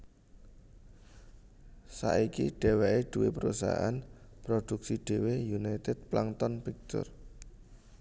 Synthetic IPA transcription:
sa̰ʔikiɖ̥e̤wɛʔeɖ̪̥ṳwepəɾusa̰ʔanpɾod̪̥uksiɖ̪̥e̤wejunajt̪ɪd̪̚plaŋt̪ɔnpik̚t̪ʊ̰r

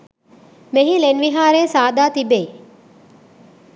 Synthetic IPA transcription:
meɦilenʋiɦaːɾeːsaːd̪aːt̪ibej

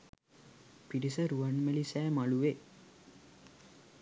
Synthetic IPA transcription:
piʈisəɾuʋanmelisæːmaluʋe

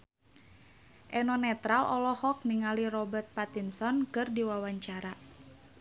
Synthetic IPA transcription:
ʔɛnɔnɛt̪ɾalʔɔlɔhɔk̚niŋalirɔbərt̪̚pat̪insɔnkɨrdiwawaɲt͡ʃaɾa

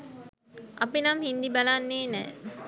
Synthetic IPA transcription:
ʔɐpinamhind̪ibalanːeːnɛ̰ː

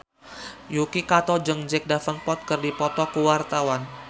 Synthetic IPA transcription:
jukikat̪ɔd͡ʒəŋd͡ʒɛk̚dafənpɔt̪̚kərdipɔt̪ɔkuwart̪awan

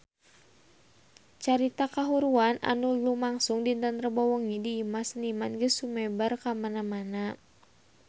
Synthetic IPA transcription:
t͡ʃaɾit̪akaɦuɾuanʔa̰nulumaŋsuŋdint̪ənt̪rəbɔwɔŋidiːmasənimanɡəsumɛbərkamanamana

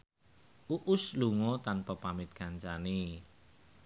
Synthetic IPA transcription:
ʔuʔʊsluŋɔt̪anpəpamɪt̪̚ɡ̥aɲt͡ʃane

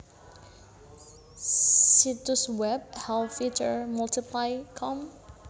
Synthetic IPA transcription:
situswɛb̚hɛlfit͡ʃəɹmɔltipʰlaɪkʰɔ̃m

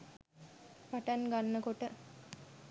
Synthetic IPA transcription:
paʈanɡanːəkoʈə

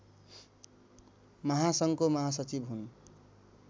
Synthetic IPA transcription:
mʌɦasʌŋkomʌɦasʌt͡sibɦun

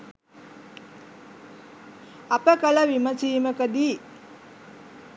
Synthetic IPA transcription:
apəkələʋimət͡ʃiːməkəd̪iː

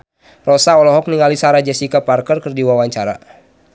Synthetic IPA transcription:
rɔsaɔlɔɦɔk̚niŋalisaɾad͡ʒɛsikaparkərkərdiwawaɲt͡ʃaɾa̰

